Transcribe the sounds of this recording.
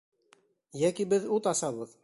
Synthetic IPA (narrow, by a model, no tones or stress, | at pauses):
jækibɘðut̪ɑsɑβɤð